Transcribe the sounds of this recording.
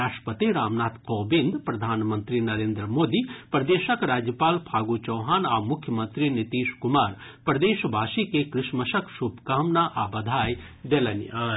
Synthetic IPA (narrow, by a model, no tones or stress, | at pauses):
aːʃʈpət̪iɾaːmnaːt̪qɔːbɪ̃nd̪pɾɐd̪ʱaːnmə̃nt̪ɾinɐɾeːnd̪ɾəmoːd̪ipɾɐd̪eːʃəkɾaːd͡ʒjəpaːlpʰaːɡut͡ʃɐːɦaːnaːmʊkʰjəmə̃nt̪ɾinɪt̪iːʃkʊmaːɾpɾɐd̪eːʃbʱaːʃikekɾɪʃməʃəkʃubkaːmnaʔaːbɐd̪ʱaːj | ɖeːlɐna